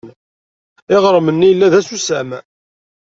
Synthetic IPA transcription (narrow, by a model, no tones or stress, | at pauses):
n | ɪʁɾˤəmənːijəlːæðæsusæmæ